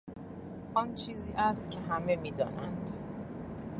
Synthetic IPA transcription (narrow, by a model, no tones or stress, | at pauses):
ʔɒnt͡ʃʰiːziːʔæst̪cʲʰe̞ɦæmemiːd̪ɒːnænd̪